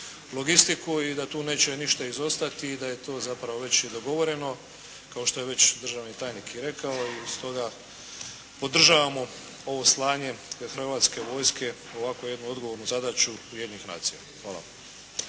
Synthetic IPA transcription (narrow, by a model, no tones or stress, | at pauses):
lˠo̞ɡist̪ikuid̪at̪uːne̞ːt͡ɕe̞niʃt̪aizo̞st̪at̪iːd̪aje̞t̪o̞ːzapɾaʋo̞ʋe̞t͡ɕjed̪o̞ɡo̞ʋo̞ɾe̞no̞ | kao̞ʃt̪o̞je̞ʋe̞t͡ɕd̪r̩ʒaʋnit̪aːjnikiɾe̞kaoist̪o̞ɡa | pod̪r̩ʒaʋamo̞ | o̞ʋo̞slˠaːɲe̞xr̩ʋat̪ske̞ʋo̞ːjske̞ | o̞ʋakoje̞d̪nuo̞d̪ɡo̞ʋo̞ɾnuzad̪at͡ʃuuje̞d̪jiɲnixna̰ːt̪sija | xʋaːla̰